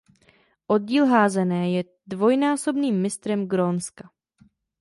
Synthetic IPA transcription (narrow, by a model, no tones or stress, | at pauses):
ʔo̞d̚ɟiːlɦaːzɛnɛːjɛ | dvo̞jnaːso̞bniːmːɪst̪ɾɛmɡɾonska